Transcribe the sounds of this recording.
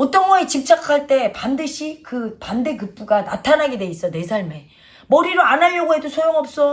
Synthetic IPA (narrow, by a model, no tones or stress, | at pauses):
ʌt͈ʌnɡʌet͡ɕip̚t͡ɕ͈akʰaɭt͈e̞pandɯɕʰikɯpande̞kɯp̚p͈uɡanatʰanaɡedwe̞is͈ʌne̞sʰaɭme̞ | mʌɾiɾoanɦaʎːʌɡoɦe̞dosʰojoŋʌp̚s͈ʌ